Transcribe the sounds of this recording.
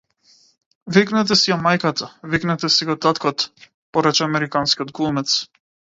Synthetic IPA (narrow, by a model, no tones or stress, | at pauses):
viknɛt̪̬ɛsiamajkat̪ʰaviknɛt̪ɛsiɡɔt̪at̪kɔt̪ | pɔɾɛt͡ʃɛamɛɾikanskʲiɔt̪̚ɡlˠumɛt̪s